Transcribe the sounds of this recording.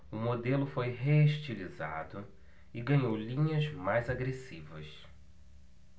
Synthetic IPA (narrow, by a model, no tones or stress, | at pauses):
ʊmod̪elʊfojɦeeʃt͡ʃiliza̰d̪ʊ | ɪɡɐ̃ɲowlĩɲɐzmajzaɡɾesivɐs